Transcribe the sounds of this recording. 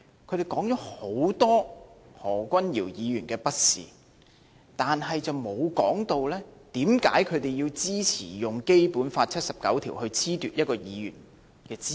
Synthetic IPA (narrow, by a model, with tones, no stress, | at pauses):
kʰɵ˨˧ɥt̪e˨˩jkɔː˨˥ŋt͡ʃɔː˨˥ho˨˥wt̪ɔː˥hɔː˨˩kʷɐ˥nji˨˩wjiː˨˧jyː˨˩nkɛː˧pɐ˥t̚sḭː˨˩ | t̪aː˨nɦɐ˨jt͡sɐ˨wmo˨˧wkɔː˨˥ŋt̪o˨˧wlɛː˥t̪iː˨˥mkaː˨˥jkʰɵ˨˧ɥt̪e˨jjiː˧wt͡siː˥t͡sʰḭː˨˩jʊ˨ŋke˥jpuː˨˥nfaː˧t̚t͡sʰɐ˥t̚sɐ˨p̚kɐ̰˨˥wt̪ʰiː˨˩whɵ˧ɥt͡sʰiː˥t̪yː˨t̚jɐ˥t̚kɔː˧jiː˨˧jy̰ː˨˩n | kɛː˧t͡siː˥